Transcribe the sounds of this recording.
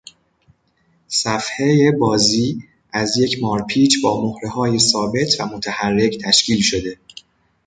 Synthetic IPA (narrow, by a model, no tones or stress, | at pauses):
sæfheje̞bɒːziː | ʔæzje̞cʰmɒːɾpʰiːt͡ʃbɒːmohɾehɒːje̞sɒːbe̞t̪ʰvæ̰mo̞t̪ʰæhærːe̞ct̪ʰæʃciːlʃo̞d̪e̞